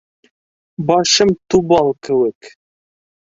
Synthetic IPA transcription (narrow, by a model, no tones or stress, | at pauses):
bɑʃəmt̪ubɑlˠkʰɘwɘk